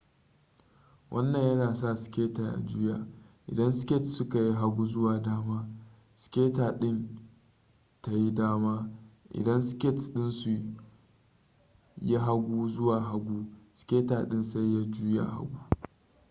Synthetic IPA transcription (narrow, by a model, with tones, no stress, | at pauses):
wʔɐ˦nːɐ˨ɲjɐ˦naː˨sa˦˨sɪ̥˨kʲeː˦ta˨ʔa̰˨d͡ʒu˦jaː˨ʔɪ̰˨dɐ˦nsɪ̥˦kʲɪ˦tsʊ˦ka˨ji˦ɦa˦ɡʷuː˦zʊ˦waː˨daː˦maː˦ | sɪ̥˨kʲeː˦taː˨ɗɪ˦n | ta˨ji˦daː˦maː˦ʔɪ̰˨dɐ˦nskʲɪ˦tɗɪ˦nsu˨ | ja˦ɦa˦ɡʷu˦zʊ˦waː˨ɦa˦ɡʷuː˦sɪ̥˨kʲeː˦taː˨ɗɪ˦nsa˦jja˦d͡ʒuː˦ja˦ʔa̰˨ha̰˦ɡʷuː˦